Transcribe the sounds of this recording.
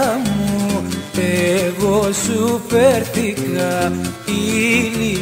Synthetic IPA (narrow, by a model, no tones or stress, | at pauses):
mueɣosupeɾt̪ikaili